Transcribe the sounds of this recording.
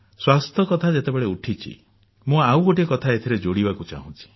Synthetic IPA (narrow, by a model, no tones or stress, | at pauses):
swast̪ʰɔkɔt̪ʰad͡ʒet̪ebeɭeuʈʰit͡ʃʰḭ | mũawɡoʈ̬iɔkɔt̪ʰaet̪ʰiɾed͡ʒoɽibakut͡ʃa̰ɦũt͡ʃʰi̥